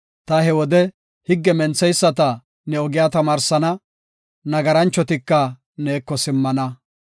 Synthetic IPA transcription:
t̪ɐhɛwɔd̪ɛ | hɪɡːɛmɛnt͡sːɛjsːɐt̪ɐ | nɛɔɡɪjaːt̪ɐmaːɾsɐnɐ | nɐɡɐɾɐnt͡ʃːɔt̪ɪkːɐ | neːkːɔsɪmːɐnɐ

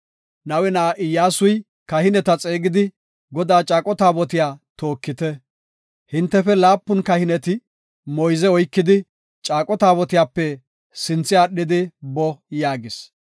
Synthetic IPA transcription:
nɐwɛnaːʔɪjːaːsʊj | kɐhɪnɛt̪ɐt͡sʼe̞ːɡɪd̪ɪ | ɡɔd̪aːt͡ʃʼaːkʼɔt̪aːbɔt̪̬ɪjaːt̪o̞ːkːɪt̪ɛ | hɪnt̪ːɛfɛlaːpːʊnkɐhɪnɛt̪ɪ | mɔjzɛɔjkːɪd̪ɪ | t͡ʃʼaːkʼɔt̪aːbɔt̪ɪjaːpːɛ | sɪnt͡sːɪaːɗːɪd̪ɪbɔjaːɡɪs

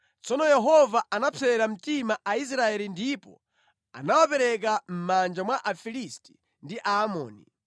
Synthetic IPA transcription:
t͡sɔnɔjɛɦɔvaʔanapʰɛɛɾam̩timaʔais̬ɾaɛlindipɔ̰ | a̰nawapɛɾɛk̬am̩mand͡ʒamwaʔafilisti̥ | ndiʔaːmɔ̰ːnḭ

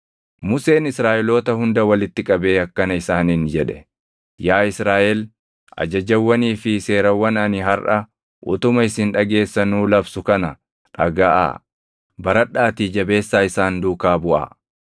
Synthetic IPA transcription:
mʊse̞ːnɪsɾaːʔɛlo̞ːt̪ɐhʊnd̪ɐwɐlɪt̪ːɪkʼɐbe̞ːɐkːɐnɐɪsaːniːnd͡ʒɛᶑɛ | jaːɪsɾaːʔɛl | ʔɐ̰d͡ʒɐd͡ʒɐwːɐniːfɪse̞ːɾɐwːɐnɐnɪɦɐɾʔɐ | ʔʊ̰t̪ʊmɐɪsɪnᶑɐɡe̞ːsːɐnuːlɐbsʊkɐnɐ | ᶑɐɡaːʔa̰ | bɐɾɐᶑːaːt̪iːd͡ʒɐbe̞ːsːaːɪsaːnd̪uːkaːbʊʔa̰ː

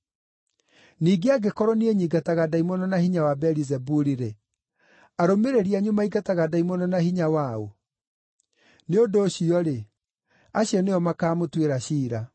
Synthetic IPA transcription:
niːɡeaɡekɔɾɔnieɲiɡataɣadaimɔnɔnahiɲawabɛɾizɛbuɾiɾe | aɾomeɾeɾiaɲumaiɡataɣadaimɔnɔnahiɲawao̰ | neodoːɕiɔɾe | aɕiɔneɔmakaːmotweɾaɕiːɾa

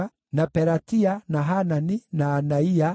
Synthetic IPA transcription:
a | napɛɾatianaɦananinaːnaia

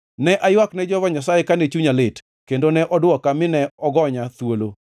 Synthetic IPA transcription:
nɛʔajwaknɛd͡ʒɔvɔɲasajekanet͡ʃuɲalɪt | kendonɛʔɔdwɔkamɪnɛɔɡɔɲat̪wolo

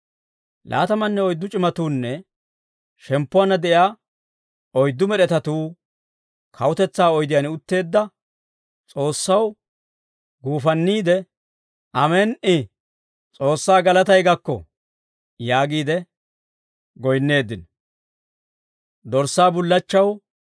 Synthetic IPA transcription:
lʔa̰ːt̪ɐmɐnːɛɔjd̪ːʊt͡ʃʼɪmɐt̪uːnːɛ | ʃɛmpːʊwɐnɐd̪ɛjaː | ɔjd̪ːʊmɛɗɛt̪ɐt̪uː | kʰɐwʊt̪ɛt͡sːaːɔjd̪ɪjanʊt̪ːe̞ːd̪ːɐ | t͡sʼo̞ːsːɐw | ɡuːfɐnːiːd̪ɛ | ʔɐmeːnʔɪ | t͡sʼo̞ːsːaːɡɐlɐt̪ɐjɡɐkːɔ̰ | jaːɡiːd̪ɛ | ɡɔjnːe̞ːd̪ːɪn | d̪ɔɾsːaːbʊlːɐt͡ʃːɐw

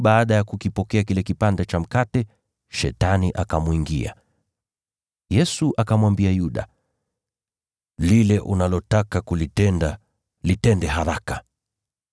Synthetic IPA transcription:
ɓaaɗajakukipɔkɛakilɛkipandɛt͡ʃam̩katɛ | ʃɛtaniʔakamuiŋɡḭa̰ | jɛsuʔakamwambiajuɗa̰ | lilɛʔunalɔtakakuliɛda | litɛndɛɦaɾakḁ

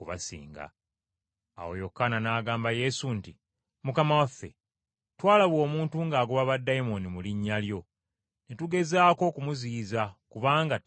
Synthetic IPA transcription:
uβa̰sḭːŋɡa̰ː | wo̞̰jo̞kːananaːɡaːmbaje̞sunti | mukamawafːe̞̰ | twaːlaβwo̞ːmuːntuŋɡaːɡoβaβadːajimo̞nimuliɲːaljo̞ | netuɡe̞zaːko̞kumuziːzakuβaːŋɡa

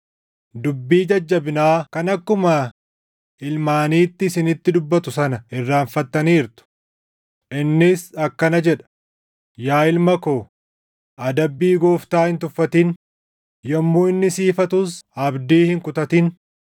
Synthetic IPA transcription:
d̪ʊbːiːd͡ʒɐd͡ʒːɐbɪnaːkɐnɐkːʊmɐ | ɪlmaːniːt̪ːɪɪsɪnɪt̪ːɪd̪ʊbːɐt̪ʊsɐnɐɪrːaːɱfɐt̪ːɐniːɾt̪ʊ̥ | ʔɪnːɪsɐkːɐnɐd͡ʒɛᶑɐ̥ | jaːɪlmɐkoː | ʔɐd̪ɐbːiːɡoːft̪aːhɪnt̪ʊfːɐt̪in | jɐmːuːɪnːɪsiːfɐt̪ʊsɐbd̪iːhɪŋkʊt̪ɐt̪ɪn

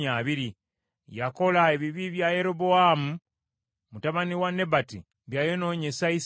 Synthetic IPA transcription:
aβiɾi | jako̞laeβiβiβjaje̞ɾoboamu | mutaβaniwane̞batḭ | βjaːjono̞ːɲe̞sais

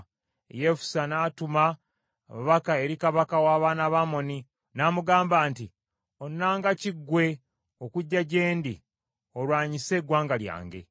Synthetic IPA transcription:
je̞fu̥sanaːtuma | muβakae̞ɾikaβakawaːβaːnaβamo̞ni | namuɡaːmbaːnti | o̞nːaːŋɡaciɡwe̞ | o̞kuɟːaɟe̞ːndi | olwaːɲise̞ɡwaːŋɡalja̰ːŋɡe̞̰

